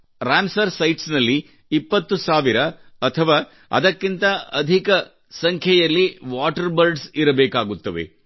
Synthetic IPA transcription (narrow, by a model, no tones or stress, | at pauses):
ɾaːmsɐɾsɐjʈsnɐlːiː | pːɐt̪ːusaːʋiɾɐɐt̪ʰɐʋaː | ɐ̰d̪ɐkːint̪ɐɐd̪ʱikɐ | sɐŋkʰjɐjɐlːiʋaːʈɐɾbɐɾɖsiɾɐbɛːkaːɡut̪ːɐʋḛ